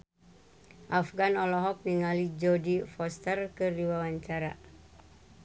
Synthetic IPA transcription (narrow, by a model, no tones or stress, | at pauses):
ʔafɡanɔlɔɦɔk̚niŋalid͡ʒɔdifɔst̪ərkɨrdiwawaɲt͡ʃaɾa